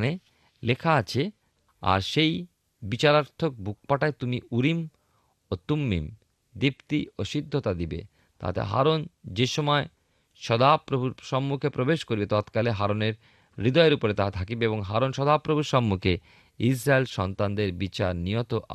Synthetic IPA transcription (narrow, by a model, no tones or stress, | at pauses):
ne | lekʰaat͡ɕʰe | a̰ɾʃej | bit͡ɕaɾaɾt̪ʰːok̚bʱuk̚paʈaet̪umiʔuɾim | ot̪umːḭm | d̪ipt̪ioʃid̪ʱːot̪ad̪ibḛ | t̪a̰t̪ḛɦa̰ɾond͡ʑeʃɔmɔe | ʃɔd̪apɾobʱuɾʃɔmːukʰepɾobeʃkoɾibet̪ɔt̪kaleɦaɾoneɾː | id̪ɔeɾupoɾet̪at̪ʰakibeeboŋɦaɾonʃɔd̪apɾobʱuɾʃɔmːukʰe | is̬ɾaelʃɔnt̪and̪eɾbit͡ɕa̰ɾnijot̪oʔa̰